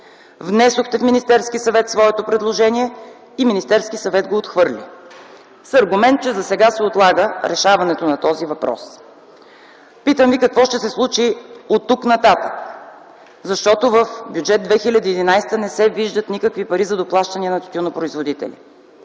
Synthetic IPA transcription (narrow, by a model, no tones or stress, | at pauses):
vnɛsoxt̪ɛfminist̪ɛɾskisɐvɛt̪svɔɛt̪opɾɛd̪lˠoʒɛniɛ | iminist̪ɛɾskisɐvɛd̪̚ɡoːt̪xvɤɾlʲḭ | sɐɾɡʊmɛnt̪̚t͡ʃɛzɐsɛɡasɛot̪lˠaɡəɾɛʃavɐnɛt̪onɐt̪ɔzivɐpɾɔ̰s | pit̪əmvikɐkvɔʃt̪ɛsɛslˠut͡ʃiot̪ːuknɐt̪at̪ək | zɐʃt̪ɔt̪ovəfbjud͡ʒɛd̪̚d̪vɛxilʲəd̪iːd̪inajst̪ənɛsɛviʒd̪ət̪nikəkvipɐɾizɐd̪oplˠaʃt̪ɐniɛnɐt̪t̪ʲunopɾoizvod̪it̪ɛ̰lʲḭ